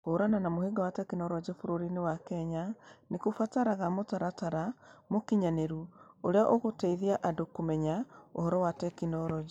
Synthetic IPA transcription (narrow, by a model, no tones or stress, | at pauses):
koːɾananamoheɡawatɛkinɔɾɔd͡ʒɛfoɾoɾinewakɛɲanekofataɾaɣamotaɾataɾamokiɲaneɾuoɾeaʔoɣotɛiðiaʔadokomɛɲao̰hɔɾɔwatɛkinɔɾɔd͡ʒe